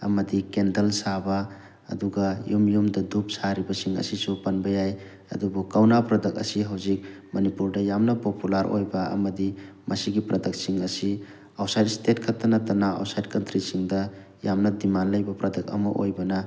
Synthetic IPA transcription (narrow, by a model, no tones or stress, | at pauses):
ɐ̰mɐdikendɐlsabɐ̰ː | duɡɐjumjumdɐdup̚saɾibɐsiŋɐ̰sisupɐnbɐjaj | ɐ̰dubukawnapɾɐdɐk̚ɐ̰siɦawzik̚ | mɐnipuɾdɐjamnɐpopulaɾʔo̰jbɐɐ̰mɐdimɐsiɡipɾɐdɐk̚siŋɐsi | awsajdstetkʰatːɐnɐtɐnaa̰wsajd̚kɐntɾisiŋdɐ | jamnɐdimanlɐjbɐpɾɐdɐk̚ɐ̰mɐ̰ʔojbɐnɐ